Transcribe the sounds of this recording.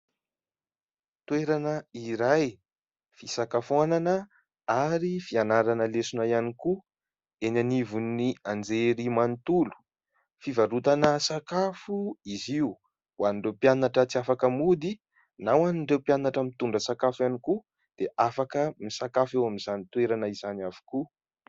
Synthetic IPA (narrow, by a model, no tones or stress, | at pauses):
t̪ueɾanəiɾaj | fisakafananə | aɾifianaɾanəlesunajaniku | enanivunːiand͡zeɾimant̪ulu̥ | fivaɾut̪anəsakafuiziu | waniɳɖ͡ʐewpjanaʈ͡ʂət͡siafakəmud̪i | nawaniɳɖ͡ʐewpjanaʈ͡ʂəmit̪uɳɖ͡ʐəsakafjaniku | d̪̥eʔafakəmisakafewaminzanit̪weɾanəizanavu̥ku